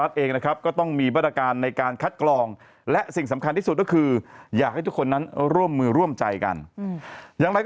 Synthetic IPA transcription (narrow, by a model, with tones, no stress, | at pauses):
a˦˥t̪̚ʔeː˧ŋna˦˥kʰɾa˦˥p̚kɔː˥˩t̪ɔ˥˩ŋmiː˧ma˥˩t̪ɾaː˧kaː˧nːa˧jkaː˧nkʰa˦˥t̪̚klɔː˧ŋ | lɛ˦˥ʔsi˨˩ŋsa˩˦mkʰa˧nt̪ʰiː˥˩su˨˩kɔ˥˩kʰɯː˧jaː˨˩k̚ha˥˩t̪u˦˥kʰːo˧nːa˦˥nɾu˥˩əmːɯː˧ɾu˥˩əmt͡ɕa̰˧jka̰˧n | jaː˨˩ŋɾa˧jk